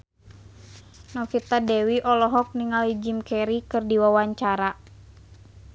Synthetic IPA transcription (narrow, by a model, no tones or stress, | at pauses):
nɔfit̪adɛwiʔɔlɔɦɔk̚niŋalid͡ʒimkɛɾikɨrdiwawaɲt͡ʃaɾa